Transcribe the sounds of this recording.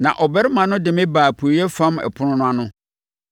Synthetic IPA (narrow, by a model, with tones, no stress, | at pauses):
nã̰˨ʔɔ˨bɛ˦ɾɪ˦mã˨nʊ̃˦dɪ̃˨mɪ̃˦baː˨pʰu˨jɛ˦fã˦mɛ̰˨pʰʊ˦nʊ̃˦nʊ̃˦a˦nʊ̃˦